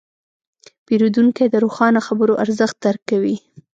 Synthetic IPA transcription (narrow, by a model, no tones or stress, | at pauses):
peɾud̪uŋked̪əɾoxɑnaxabəɾoʔaɾzəxt̪̚d̪aɾkːawi